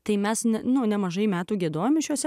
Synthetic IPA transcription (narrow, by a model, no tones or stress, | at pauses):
t̪ɐɪmʲɛsnʲɛnʊnʲɛmɐʒɐɪmʲæːt̪uːɡʲiɛd̪oːjoːmɪʃjuɔsʲɛ